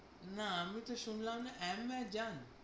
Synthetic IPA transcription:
naamit̪oʃunlamnaʔɛmbɛd͡ʑan

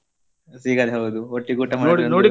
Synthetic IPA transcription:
siːɡɐd̪ɦɐwd̪uoʈːikuːʈːɐmanoinoːɽi

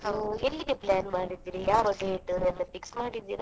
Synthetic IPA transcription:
ɐʋuelːiɡeplaːnmaːɽid̪ːiːɾijaːʋɐɡeiʈːuɛnːɐpiksmaːɽid̪ːḭːɾɐ

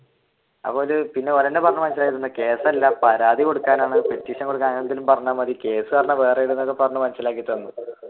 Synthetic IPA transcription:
ɐ̰pːo̞ːlpinːe̞ɐlɐnːepɐrɐɲːɐmɐns̬ilaːkit̪onːɐke̞ːsɐlːampɐɾaːd̪iko̞ɽukːaːnaːɳɨpetːiːkʂɐŋkoɽukːaːɐnɐt̪̬ːilumpɐrɐɲːaːmɐðike̞ːsɨkaːrɐnːɐʋeːrejiɽunɐokːepɐrɐɲːɐmɐnsilaːk̬ːit̪ːonːu

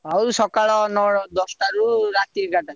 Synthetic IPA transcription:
aɾusɔkaɭɔnɔd̪ɔstaɾuɾat̪iɡata

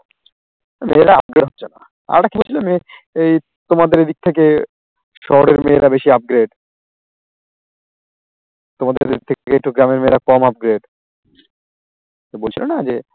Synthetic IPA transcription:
meɾaa̰p̚ɡɾeɖɦɔbt͡ɕʰena̰ | a̰ɾɾakibolt͡ɕʰilemeej | t̪omad̪eɾed̪ik̚t̪ʰeke | ʃɔɦoɾeɾmeɾabeʃiap̚ɡɾeɖ | t̪omad̪ḛɾik̚t̪ʰek̚t̪ʰekeek̚ʈuɡɾameɾmeɾakɔmap̚ɡɾeɖ | bolt͡ɕʰilonad͡ʑe

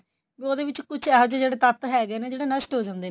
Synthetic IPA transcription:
ʋioːd̪eːʋɪt͡ʃkʊt͡ʃʰɛɦəd͡ʒd͡ʒeːɽeːt̪ət̪ɦɛːɡeːneːd͡ʒeːɽeːnəsʈɦoːd͡ʒãːnd̪eː

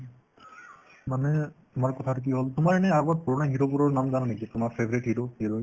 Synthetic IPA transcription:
manɛtʊmaɹkɔt̪ʰatʊk̬iɦoltʊmaɹɛnɛabɔt̚pɔɹɔnaɦiɹopuɹɔɹnamɡannikiatʊmaɹpʰebɔɹitɦiɹohiɹoj

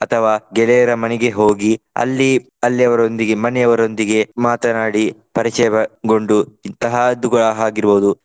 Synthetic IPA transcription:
ɐt̪ʰɐʋaːɡɛlɛjɐɾɐmɐnɛɡe̞ɦo̞ːɡiɐ̰lːi | ɐlːiɐʋɐɾo̞nd̪iɡemɐnɛɐʋɐɾo̞nd̪iɡe̞maːt̪ɐnaːɽipɐɾit͡ʃɐjɐɐɡo̞ɳɖuint̪ɐɦaːd̪uɡɐɭaɦaːɡiɾboːud̪u

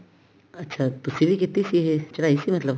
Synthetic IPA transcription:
ɐtːʃʰat̪usiβiket̪isiɦet͡ʃɾaisimɐt̪lɐb

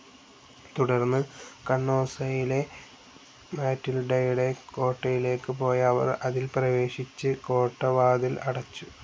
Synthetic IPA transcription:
t̪uɽɐrnːɨkɐɳːo̞ːsɐjile̞ | maːtːilɖɐjuɽe̞ko̞ːʈːɐjile̞ːkːɨpo̞ːjɐʋɐ̰rɐðilprɐʋe̞ːɕit͡ɕːɨko̞ːʈːɐʋaːd̪ilɐ̰ɽɐt͡ɕːu

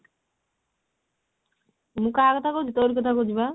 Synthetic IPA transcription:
mũkaːkɔt̪akod͡ʒit̪oɾikɔt̪ʰakod͡ʒiba

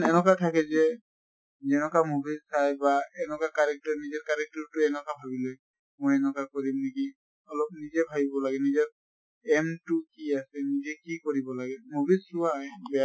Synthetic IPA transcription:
nɛnɔkatʰakɛzɛ | zɛnɔkamubizsajbaɛnɔkakaɹɛk̚tɔɹnizɛɹkaɹɛk̚tɔɹtʊɛnɔkabʱabiloj | mojɛnɔkakoɹimneki | ɔlɔp̚nizɛbʱabibɔlaɡɛnizɛ | ɛmtʊkiasɛnizɛkikoɹibɔlaɡɛmubizʊwabɛa

